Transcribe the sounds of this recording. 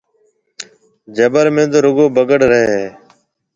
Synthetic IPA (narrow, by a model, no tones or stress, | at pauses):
d͡ʒəbəɾmẽːt̪oːɾʊɡoːbəɡəɽɾəɦeːɦeː